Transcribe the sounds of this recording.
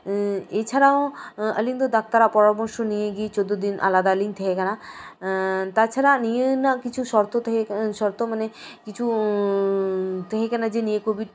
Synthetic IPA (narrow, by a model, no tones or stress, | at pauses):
et͡ɕʰaɾaoə̰liŋd̪od̪ak̚t̪aɾapɔɾɔɾbɔɾʃonijeɡit͡ɕod̪ːod̪inʔa̰lad̪aəliŋt̪ʰɛkekana | t̪at͡ʃʰaɾanijenakit͡ɕʰuʃɔɾt̪oʃɔɾt̪omanekit͡ɕʰu | t̪ʰɛkekɛnad͡ʑenijekobiʈ